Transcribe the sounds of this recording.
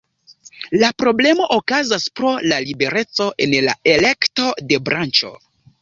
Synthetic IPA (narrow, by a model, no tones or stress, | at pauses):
lapɾo̞ble̞mo̞ʔokazaspɾo̞lalibe̞ɾe̞t͡so̞ʔe̞nla̰e̞le̞kto̞de̞bɾant͡ʃo̞̰